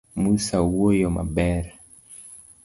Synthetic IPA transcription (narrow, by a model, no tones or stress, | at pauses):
musawɔjɔma̰bɛɾa